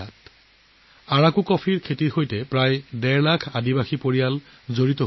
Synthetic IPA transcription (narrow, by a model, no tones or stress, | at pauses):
at | aɹakukɔpʰiɹkʰetithojtɛpɹajdɛɹlakʰadibaxipoɹijal | zoɹitɔ